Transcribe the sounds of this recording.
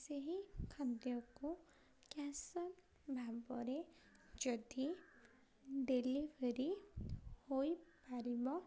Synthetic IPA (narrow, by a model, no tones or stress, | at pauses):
seɦikʰand̪jɔku | kjasɔn | bʱabɔɾed͡ʒɔd̪i | d̪elibʱeɾi | hojpaɾibɔ